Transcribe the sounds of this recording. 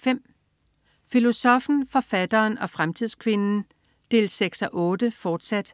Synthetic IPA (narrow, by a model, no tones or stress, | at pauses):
fem̰ | filo̝sɒ̽fn̩fɒ̽fæd̥ɐːnɒ̽fʁamt͡sʰið̰ˠskʰʋe̝nn̩ | d̥e̝̰ːlseɡ̥sɒʔɔ̽ːd̥əfɒːd̥sæd̥